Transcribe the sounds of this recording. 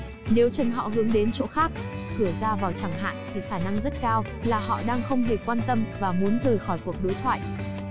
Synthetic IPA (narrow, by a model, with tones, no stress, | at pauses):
ne˨˦wt͡ɕə˨˩nɦɔ̰˧˨ɦɨ˨˦əŋɗe˨˦nt͡ɕo˨˦xaː˦˥k̚ | kɨ˧˩əzaː˧vaː˨˩wt͡ɕaː˧˩ŋɦa̰ː˧˨jt̪ʰi˨˩xaː˧˩na˧ŋzə˦˥t̚kaː˧w | laː˨˩hɔ̰˧˨ɗaː˧ŋxə˧wŋ͡mɦe˨˩kwaː˧nt̪ə˧mvaː˨˩mu˨˦ənzəː˨˩jxɔ˧˩jku˨˩ək̚ɗo˨˦jt̪ʰwa̰ː˧˨jʔ